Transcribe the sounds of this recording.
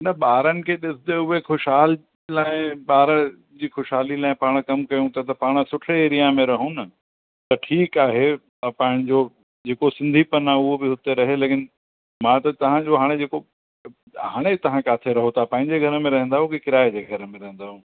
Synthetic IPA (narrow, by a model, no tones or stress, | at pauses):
nɐɓaːɾənɪ̆kʰeːɗɪsd̪eʊɦexʊʃaːl | laːɪ̃ɓaːɾə | d͡ʑiːxʊʃaːlilaːɪ̃paːɽ̃kɐmkɐjũt̪ɐt̪ɐpaːɽ̃ə̆sʊʈʰeeːɾijamẽɾɐɦũnɐ | t̪ɐʈʰiːkaːɦe | ɐpãːɪɽ̃d͡ʑoː | d͡ʑeːkosɪ̃nd̪ʱipɐnãʊɦobɪɦʊt̪eɾɐɦeleːkɪn | mãt̪ɐt̪ɐʋ̤ãd͡ʑoɦaːɽ̃ed͡ʑeːko | ɦaːɽ̃et̪ɐʋ̤ãkaːt̪ʰeɾɐɦot̪ʰapɐ̃ːɦɪ̃ɲd͡ʑeɡʱɐɾəmẽɾɐɦɛ̃nd̪aːɦũkikɪɾaːed͡ʑeːɡʱɐɾəmẽɾɐɦɛ̃nd̪aːɦũ